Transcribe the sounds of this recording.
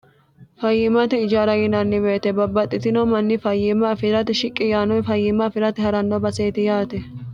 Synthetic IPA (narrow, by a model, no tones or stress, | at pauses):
fɐjːɪmɐt̪ɛɪd͡ʒaːɾɐɡɪnɐnːɪbeːt̪ɛbɐbːɐt̪ʼːɪt̪ɪnɔmɐnːɪfɐjːɪmɐfɪɾɐt̪ɪʃɪkʼːɪjaːnɔjfɐjːɪmɐfɪɾɐt̪ɪhɐɾɐnːɔbɐseːt̪ɪjaːt̪ɛ